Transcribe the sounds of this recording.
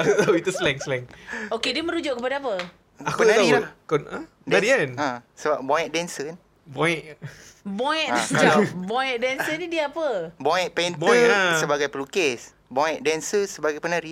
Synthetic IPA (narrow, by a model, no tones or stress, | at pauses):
at̪awit̪uslɛŋslɛŋokediəmə̃ɾud͡ʒʊʔkəpadaapə | akpənat̪aiakɔna | danɾianãsəbap̚bɔjɛ̃ʔ̚dɛnsəkan | bɔjʔbojɛʔãkabɔjɛʔ̚dɛnənidiəapəbɔɛ̃ʔ̪̚pentbəsəbaɡajpəlukes | bɔɛ̃ʔ̚dɛnsəsəbaɡajpənaɾi